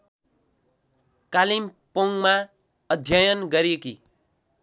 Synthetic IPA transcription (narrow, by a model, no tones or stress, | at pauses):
kalimpoŋma | ʌd̪ʱjʌjʌnɡʌɾeki